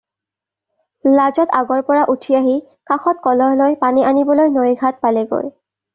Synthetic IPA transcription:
lazɔtaɡɔɹpɔɹaʔutʰiaɦi | kaxɔt̚kɔlɔɦlojpaniʔanibɔlojnojɡʱat̚palɛɡo̰j

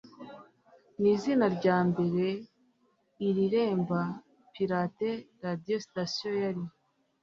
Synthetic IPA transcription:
niːzinaɾɟaːmbe̞ɾe̞ | iɾiɾe̞ːmba | piɾaːteɾadiostasijojaɾi

